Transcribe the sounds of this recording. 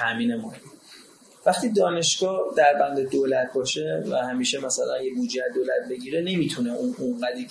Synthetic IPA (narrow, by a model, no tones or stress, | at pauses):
t̪ʰæmiːnemɒːli | væχt̪iːd̪ɒːne̞ʃɡ̥ɒːd̪æɾbænd̪ed̪oːlæt̪ʰbɒːʃe̞væhæmiːʃemæsælænjebuːd͡ʒeæd̪oːlæt̪̚be̞ɟiːɾene̞miːt̪ʰuneʔununɢæd̪i